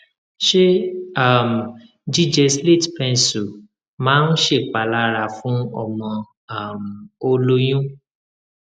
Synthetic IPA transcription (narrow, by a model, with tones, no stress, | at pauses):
ʃe˦a˦˨m̩˨ | d͡ʒi˦d͡ʒɛ˧sle˦˨tpɛ̃˧nsu˨ | mãː˨˦n̩˦ʃe˦˨k͡pa˨la˦ɾa˧˨fũ˨˦ɔ̰˨mɔ̃˧ | a˦˨m̩˨o˧lo˦j̃ũ˦